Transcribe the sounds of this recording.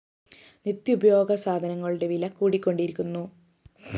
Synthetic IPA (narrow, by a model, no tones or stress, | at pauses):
nit̪jubʱɐjo̞ːɡʱɐsaːd̪ʱɐnɐŋːɐɭuɽe̞ʋilɐkuːɽikʲːo̞ɳɖiɾikʲːunːu